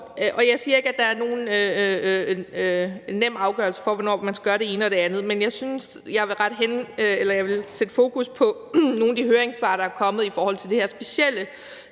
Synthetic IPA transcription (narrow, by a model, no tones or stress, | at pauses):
ʔʔɒ̽jɑ̈ɪsiːɐe̝ɡ̥æd̥ɑ̈æɐno̝ːn̩ø | nːem̰ɑ̈ʊɡ̥ɶɐl̩sə̥fɒ̽ʋonɒ̰ːmænsɡ̥ɶɐɾe̝e̝ːnəɒ̽ɾ̥e̝ænð̩ˠmenjɑ̈ɪsyns | jɑ̈ɪʋe̝lʁɑ̈d̥ɦenelɐjɑ̈ɪʋe̝lsed̥əfo̝ːkuspʰɒ̽ | no̝ːnd̥ihøːɐeŋsʋɑ̈ːd̥ɑæɐkʰɒ̽mð̞̩ˠifɒːhɒ̽l̰t͡sʰe̝ld̥eheɐsb̥e̝sel̰ə